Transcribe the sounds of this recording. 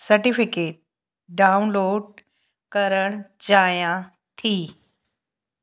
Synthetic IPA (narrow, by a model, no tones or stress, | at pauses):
sɐɾʈifɪkeːʈ̚ | ɖaːʊnloːɖ̚ | kɐɾəɽ̃d͡ʑaːjã | t̪ʰiː